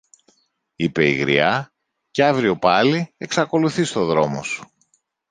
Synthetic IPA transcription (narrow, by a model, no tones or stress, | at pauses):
ipe̞iɣɾḭɐ | ceɐvɾio̞pɐlie̞ksɐko̞luθist̪o̞ðɾo̞mo̞su̥